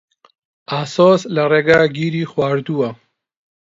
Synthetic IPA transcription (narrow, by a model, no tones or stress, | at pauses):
asoːslaɾeɡaɡiɾixwaːɾd̪uwa